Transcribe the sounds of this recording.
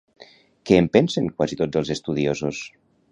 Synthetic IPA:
keːmpɛnseŋkwazit̪od͡zəlˠzest̪uð̞iozos

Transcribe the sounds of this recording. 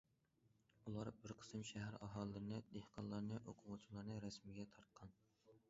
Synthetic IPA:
ulˠɑɾbɪɾqʰə̥sɨmʃæɦæɾɑɦɑːlˠːɨnɨd̪ehqʰɑnlːˠɑɾnɨʔoqʰʊʁʊt͡ʃʰilˠɑɾnɨɾɛsmɪɡʲɛt̪ʰɑɾt̪̚qʰɑn

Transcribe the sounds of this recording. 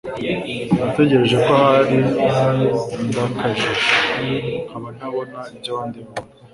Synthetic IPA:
nate̞ɟe̞ɾe̞ʒe̞ko̞haɾi | ndakaʒe | kaβan̥aβonaiɟaβaːndiβo

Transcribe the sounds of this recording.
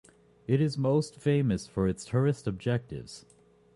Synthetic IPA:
ɪɾɨzmoʊstfẽɪ̃mɨsfə˞ɨtstʰə˞ɨstɨb̚d͡ʒɛk̚tɪ̰vz̥

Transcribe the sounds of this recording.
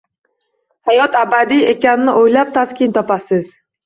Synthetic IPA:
hajɒt̪abad̪ijekʲanɪnɪʔojlap̚t̪ʰaskʲɪnt̪ʰɒpasɪz̥

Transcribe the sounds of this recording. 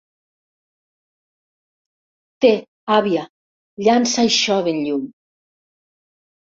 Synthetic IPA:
t̪e | aβja | ʎansajʃɔβenʎum

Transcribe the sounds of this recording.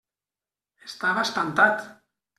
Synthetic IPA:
est̪aβast̪ant̪at̪

